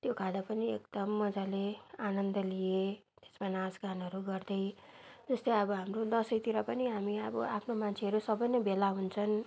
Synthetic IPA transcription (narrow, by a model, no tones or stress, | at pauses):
t̪jokʰãd̪apʌniekd̪ʌmːʌd͡zaleanʌnd̪ʌlije | t̪e̥smanãsɡanɦʌɾuɡʌrd̪ʌjd͡zʌst̪ʌjʌbʌɦamrod̪ʌsʌjt̪iɾʌpʌniɦamiʌbʌ̰apʰnomant͡sʰeɦʌɾusʌbʌjnʌbelaɦunt͡sʰʌn